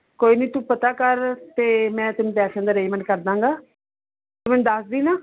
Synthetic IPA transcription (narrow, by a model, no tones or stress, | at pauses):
koːiːnəĩːt̪ũpət̪aːkəɾt̪eːmɛ̃ːt̪ɪnũːpɛːʃãːnd̪aːɾeːmɛ̃ɳʈkəɾd̪ãːŋɡaː | t̪emɛ̃ːd̪əsd̪iːnaː